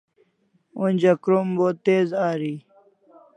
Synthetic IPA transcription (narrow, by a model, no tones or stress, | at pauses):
unʲd͡ʑɐkɾumbot̪eːzaːɾiː